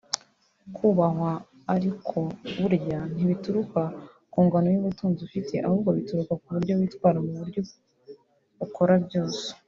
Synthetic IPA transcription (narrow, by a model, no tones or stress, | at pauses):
kʰuːβaɦwaː | ɾikʰo̞βuɾɟan̥iβituɾuka | kuːŋɡano̞juβutuːnzufitʰe̞ʔahuːbɡo̞βituɾukakuβuɾɟo̞wiːtwaːɾamuβuɾjo | ukʰo̞ɾabjo̞ːso̥